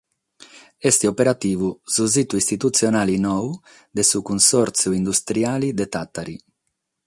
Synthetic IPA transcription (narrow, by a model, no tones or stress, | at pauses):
ɛst̪iopeɾat̪iːvuzuzit̪uist̪it̪ut̪sjonaːlinɔw | d̪esukunsɔɾt̪sjuind̪ust̪ɾjaːlid̪et̪at̪ːaɾi